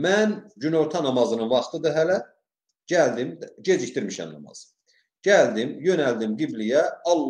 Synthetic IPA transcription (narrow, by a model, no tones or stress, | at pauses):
mænɟyno̞ɾt̪ʰɑnɑmɑzɯnɯnvɑχt̪ʰɯd̪ɯɦælæ | ɟæld̪imɟe̞d͡ʒict̪iɾmiʃæ̰mnɑ̰mɑ̰z̥ | ɟæld̪imjø̞næld̪imɡiblijæɑlˠː